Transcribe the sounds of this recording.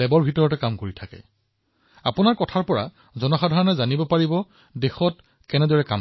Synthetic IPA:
ɛbɔɹbʱitɔɹɔtɛkamkoɹitʰakɛ̰ | a̰pʊnaɹkɔtʰaɹpɔɹa̰ | zɔnɔxadʱaɹɔnɛzanibɔpaɹibɔ | dexɔt | kɛnɛdɔɹɛka̰m

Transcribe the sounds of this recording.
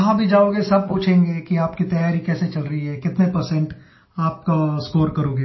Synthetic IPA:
ɐɦãbʱid͡ʒaːoːɡesɐb̚puːt͡ʃʰẽːŋɡekiaːpkit̪ɐjaːɾikɛːset͡ʃɐlɾɐɦiɦɛkɪt̪nepɐɾsɛ̃ɳʈ | aːp̚kaskoːɾkɐɾoːɡeː

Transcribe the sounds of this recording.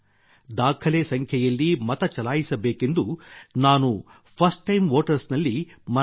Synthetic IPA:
d̪aːkʰɐleːsɐŋkʰjɐjɐlːimɐt̪ɐt͡ʃɐlaːjisɐbeːke̞nd̪unaːnu | pʰɐɾsʈːɐjmʋoːʈɐɾsnɐlːimɐ

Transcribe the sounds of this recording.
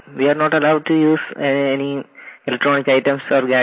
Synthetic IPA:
ʋiːaːɾnɔːʈɐlaʊɖ̚ʈujuːzeenielek̚ʈɾɔːnɪkaɪʈə̃msɔːɾɡæ

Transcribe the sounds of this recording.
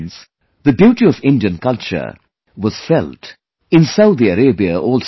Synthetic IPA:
ns | ðɨbjuːʈiɔvɪ̃ndiə̃nkʌlt͡ʃə̰˞ | wʌz̥fɛlt | ɪ̃nsaʊd̪iəɾeːbiəʔɔːlˠs

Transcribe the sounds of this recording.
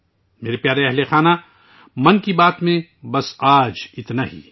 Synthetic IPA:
meːɾepjaːɾeɛɦlexaːna | mɐnkibaːt̪mẽbɐsaːd͡ʒɪt̪naːɦḭː

